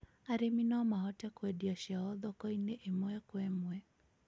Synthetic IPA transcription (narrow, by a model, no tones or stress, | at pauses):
aɾiminɔmaɦɔtakwɛɗiaʃaɔðɔkɔinɛʔɛmɔɛkwɛmwɛ